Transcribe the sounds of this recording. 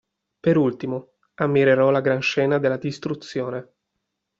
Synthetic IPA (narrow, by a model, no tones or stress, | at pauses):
peɾult̪imo | amːiɾeɾɔlaɡɾanʃɛːnad̪elːad̪ist̪ɾut̪sːjoːne